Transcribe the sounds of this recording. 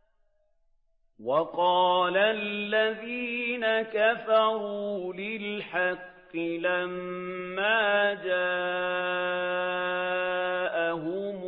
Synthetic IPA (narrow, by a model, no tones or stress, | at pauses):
wɑqɑːlalːaðiːnakafɑɾuːlɪlħɑqːɪlamːaːd͡ʒaː | ʔaɦʊm